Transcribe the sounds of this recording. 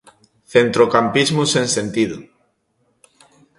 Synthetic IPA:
θent̪ɾokampizmusẽnsent̪iðu

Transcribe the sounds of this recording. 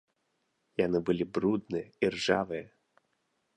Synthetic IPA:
janɨbɨlʲibɾud̪nɨirʐavɨjɛ

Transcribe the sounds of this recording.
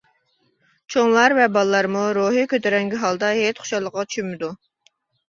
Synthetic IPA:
t͡ʃʰoŋlˠɑɾvɛbɑlˠəlːˠɑɾmuɾoɦikʲøt̪eɾɛŋɡʲiɦɑlˠd̪ɑɦet̪χʊ̥ʃɑlˠːəqːɑt͡ʃʰy̥ʃymɪd̪u

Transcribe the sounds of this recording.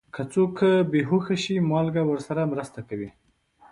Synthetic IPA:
kʰat͡sokːəbeɦoxaʃimɑlɡawəɾsaɾamɾəst̪akawi

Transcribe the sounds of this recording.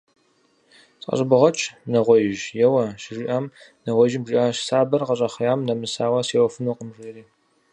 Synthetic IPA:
sʼqɐ̰ɕʼɪbɨʁɐt͡ʃʼnɐʁʷɔjɪʒjɛwɐʃɪʒɪʔɐmnɐʁʷɔʒɪbʒɪʔaɕsaːbɐrqɐɕʼɐχjaːmnɐmɨsaːwɐsewfɨnuqəmʒʷeriː

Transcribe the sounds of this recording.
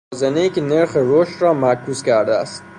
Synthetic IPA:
zenejiːcʰʲeneɾxeɾoʃt̪rɒːmæɾkʰuːzkʲʰæɾd̪eæ̰st̪̚

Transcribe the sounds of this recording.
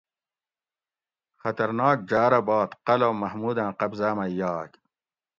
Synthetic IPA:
xɐt̪ɐɾnaːk̚d͡ʑaːɾɐbɑːt̪qɐloːmɐhmuːd̪ãːqɐbzaːmɐjaːk

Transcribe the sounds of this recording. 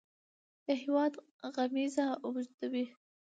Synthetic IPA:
d̪̥əɦɪwɑd̪ | ɣamizaʊbʒd̪awi

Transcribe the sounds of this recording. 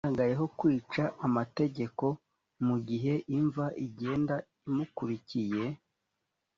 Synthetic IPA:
aɡaje̞ɦo̞kwiːt͡ʃaamate̞ɟe̞ko̞ | muɟiɦe̞ʔiɱvaʔiɟe̞ːnda | imukuɾicije̞

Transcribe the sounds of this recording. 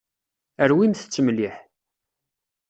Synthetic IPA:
əɾwimθət͡sːəmliħ

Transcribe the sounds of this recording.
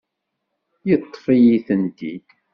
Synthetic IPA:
jət̪ˤːfijiθənd̪ḭd̪

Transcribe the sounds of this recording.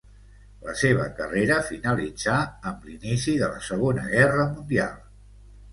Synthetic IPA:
ləseβ̞ə̰kəreɾəfinəlid͡zaəmlinisiðələ̰səɣ̞onə̰ɣɛrəmund̪ia̰lˠ

